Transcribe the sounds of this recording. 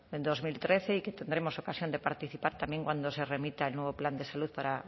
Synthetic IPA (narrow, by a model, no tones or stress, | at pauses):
end̪ozmilt̪ɾeθeiket̪end̪ɾemosokasjõnd̪epaɾt̪iθipaɾt̪amjẽŋkwand̪oseremit̪aelnoβopland̪esaluðpaɾa